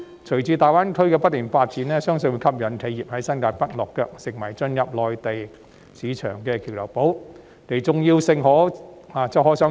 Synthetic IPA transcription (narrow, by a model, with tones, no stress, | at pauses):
t͡ʃʰɵ˨˩ɥt͡siː˧t̪aː˨jwaː˥nkʰɵ˥ɥkɛː˧pɐ˥t̪̚ːiː˨˩nfaː˧t̚t͡siː˨˥nɛː˥sœː˥ŋsɵ˧nwu˧jkʰɐ˥p̚jɐ˨˥nkʰe˨˧jiː˨p̚hɐ˨˥jsɐ˥nkaː˧pɐ˥t̚lɔː˨kːœː˧k̚sɪ˨˩ŋwɐ˨˩jt͡sɵ˧njɐ˨p̚lɔː˨jt̪e˨j | siː˨˧˥t͡ʃʰœː˨˩ŋkɛː˧kʰi˨˩wlɐ˨˩wpo˨˥w | ne˨˩t͡sʊ˨ŋjiː˧wsɪ˨ŋɦɔː˨˥ | aː˨t͡sɛ˨˧ɦɔː˨˥sœ˨˥